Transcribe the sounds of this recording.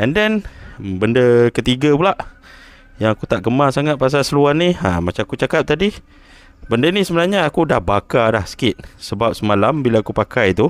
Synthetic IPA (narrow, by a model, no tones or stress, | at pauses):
ʔɛndɛnbəndəkət̪iɡəpulaʔ | jaŋakut̪aʔɡəmasaŋat̪̚pas̬asəluania̰mat͡ʃamakut͡ʃakap̚t̪adi | bəndənisəbənaɲaːkudahbakalahsə̥kɪt̪̚səbap̚səmalambilaakupakajit̪u